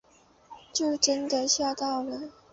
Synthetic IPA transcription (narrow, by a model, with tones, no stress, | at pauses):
t͡ɕjo˥˩ʊʈ͡ʂə˥nd̪ə˨ɕjɑ˥˧t̪ɑ˥˩ʊlə˩˦